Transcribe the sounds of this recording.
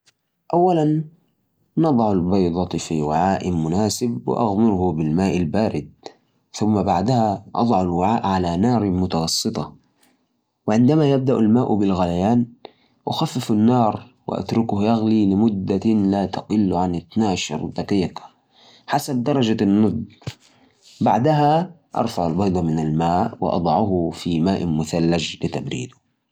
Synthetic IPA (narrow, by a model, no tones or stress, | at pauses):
ʔawːalanː | ɑd̪ˤʕalbɑjd̪ˤɑt̪ˤfiwɪʕaːʔɪmʊnaːsɪbwɪ̰ʔa̰ɣmɪɾhʊbɪlmaːʔalbaːɾɪd̪̚ | θʊmːabaʕd̪ahaʔɑ̰d̪ˤʕalwɪʕaːʔʕalanɑːɾˤmʊt̪ɑɣɑsˤːɨt̪ˤɑ̰ | wɪʕɪnd̪amajab̚d̪aʔalmaːʔbɪlɣalajaːn | wʔa̰xafːɪfanːɑːɾˤ | wɪ̰ʔa̰t̪ɾʊkʊhjaɣlilɪmʊd̪ːalat̪aqɪlːʕanɪt̪naːʃɑ̰ɾˤd̪ɑqiːq | ħasab̚d̪ɑɾˤɑd͡ʒanːʊd̪ | baʕd̪aɦa | ʔɑ̰ɾˤfaʕalbɑjd̪ˤɑmɪnalmaːʔwɪ̰ʔɑ̰d̪ˤɑʕʊhfimaːʔmʊθalːad͡ʒlɪt̪abɾḭːd̪ʊ